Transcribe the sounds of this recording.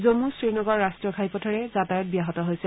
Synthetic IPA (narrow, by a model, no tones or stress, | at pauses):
zomusɹinɔɡɔɹːastɹɔkʰajpɔtʰɔɹɛzatajɔt̚bijaɦɔtɔɦojsɛ